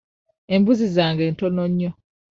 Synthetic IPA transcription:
embuzizaːŋɡɛn̩tɔnɔɲːɔ

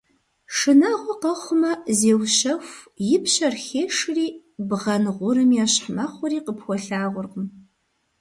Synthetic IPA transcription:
ʂɨnaːʁʷɔqɐχʷʊmɐzeːwɕɐxjɪpɕɐrxeːʂɨriː | bʁɐnʁʷʊɾɨmjaːɕħmaːχʷʊɾiːqəpxʷɔɬaːʁʷʊrqəm

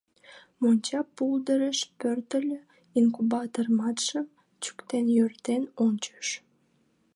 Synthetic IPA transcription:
monʲt͡ɕɑpːuld̪əɾəʃpørt̪əlʲø | iŋkubɑt̪ormɑt̪ʃəm | t͡ɕy̥kt̪enjørt̪enonʲt͡ɕə̥ʃ

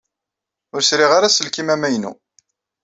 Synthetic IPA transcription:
ʊɾsɾiʁaɾasəlkimæmæjnṵ

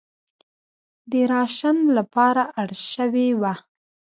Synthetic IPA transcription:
d̪əɾɑʃanlapɑɾaʔaɽʃəwewa

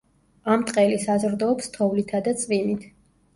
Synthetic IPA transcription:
amt̪ʼqʼɛlisazɾd̪ɔːpst̪ʰɔvlit̪ʰad̪at̪sʼvinit̪ʰ

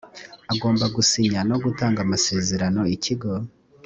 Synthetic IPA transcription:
aɡo̞ːmbaɡusiɲano̞ɡutaːŋɡamase̞ːze̞ɾano̞iciɡo̞

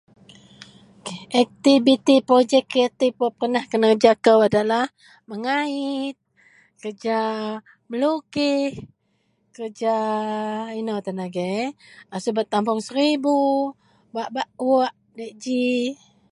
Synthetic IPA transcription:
kʔɛk̚t̪ibit̪ipɾod͡ʒɛkət̪ipopəənahkənəd͡ʒakəwadalah | məŋait̪̚ | kərd͡ʒa | məlukih | kərd͡ʒa | inəwt̪anaɡɛjasubat̪ːampʊŋsəɾibu | baʔbaʔwoʔ | daʔd͡ʒi

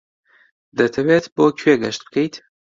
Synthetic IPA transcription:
d̪ɐt̪ʰɐweːt̪boːkʰeːɡɐʃt̪̚bkʰɐjt̪

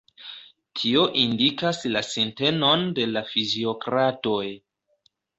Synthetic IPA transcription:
tʰio̞ʔindikaslasinte̞no̞nde̞lafizio̞kɾato̞j

